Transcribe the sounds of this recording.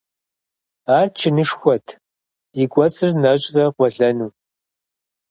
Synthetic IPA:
aːrt͡ʃʰɪnɨʂxʷɔtʰ | jɪɡʷʼɔt͡sʼɨrnɐɕʼrɐqʷɔɮɐnuː

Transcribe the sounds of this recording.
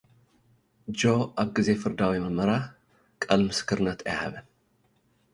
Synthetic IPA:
d͡ʒo̞ʔaβɡɨze̞fɨɾd̪awimɐmɐɾa | kʼalmɨskʰɨɾnɐt̪ʰɐjha̰βɐ

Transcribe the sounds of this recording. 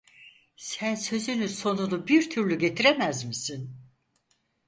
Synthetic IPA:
sænsø̞zynyso̞nunubiɾt̪ʰyɾlʲyɟe̞t̪ʰiɾemæzmisin

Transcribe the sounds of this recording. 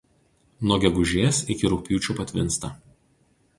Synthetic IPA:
nuɔɡʲɛɡʊʒʲeːsɪkʲɪɾʊk̚pʲjuːt͡ʃʲupɐt̪ʲʋʲɪ̰nˑst̪ɐˑ

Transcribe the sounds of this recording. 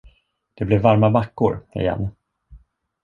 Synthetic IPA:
d̪̥ɛblɪvːaɾmabakːʊɾɪ̰jɛ̰n

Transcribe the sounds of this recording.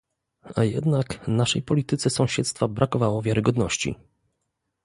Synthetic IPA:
ajɛ̰d̪naknaʂɛjpɔlʲit̪ɘt̪sɛsɔ̃w̃ɕɛt̪st̪fabɾʔakɔvawɔvʲjaɾɘɡɔd̪nɔɕt͡ɕḭ

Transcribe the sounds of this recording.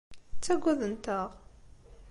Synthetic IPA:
t͡sːæɡʷːæðənt̪əʁ

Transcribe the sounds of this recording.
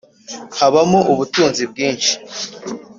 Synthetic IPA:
haβamoʔuβutuːnzib̚ɡiːnʃi̥

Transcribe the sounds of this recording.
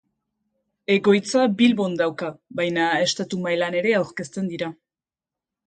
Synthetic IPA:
e̞ɣo̞jt͡sabilβo̞nd̪awkabajnae̞st̪at̪umaelane̞ɾe̞awɾke̞st̪e̞nd̪iɾa

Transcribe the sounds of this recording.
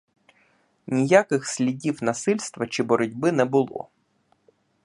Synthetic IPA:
nʲijakɪxsʲlʲidʲiwnɐsɪlʲst̪ʋɐt͡ʃibɔɾʊdʲbɪnɛbʊlˠɔ̰

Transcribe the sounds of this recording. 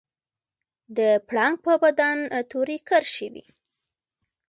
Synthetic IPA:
d̪əpɽɑŋɡ̚pəbad̪ant̪uɾikəɾʃəwḭ

